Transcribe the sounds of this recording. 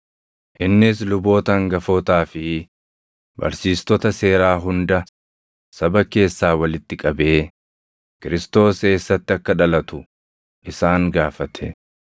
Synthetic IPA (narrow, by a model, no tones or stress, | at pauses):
ʔɪnːɪs̬lʊbo̞ːt̪ɐŋɡɐfoːt̪aːfɪ | bɐ̰ɾsiːst̪ɔt̪ɐse̞ːɾaːɦʊnd̪ɐ | sɐbɐke̞ːsːaːwɐlɪt̪ːɪkʼɐbe̞ː | kɪɾɪst̪o̞ːse̞ːsːɐt̪ːɪɐkːɐᶑɐlɐt̪ʊ | ʔɪsaːŋɡaːfɐt̪ʰɛ̰